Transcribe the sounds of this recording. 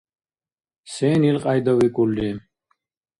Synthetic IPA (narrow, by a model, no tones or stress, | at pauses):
senilqʼɑjd̪ɐwikuldim